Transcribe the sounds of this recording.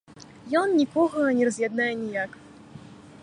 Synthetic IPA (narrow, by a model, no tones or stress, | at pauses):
jɔnnʲikɔɣɐnʲɛrɐzʲjad̪najɛnʲijak